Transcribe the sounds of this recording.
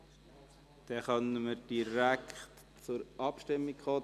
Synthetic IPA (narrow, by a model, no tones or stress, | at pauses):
d̪̥ɛχœnəməd̥iɾækχt | t͡sʊɾʔɑpʃtɪmːikχɔː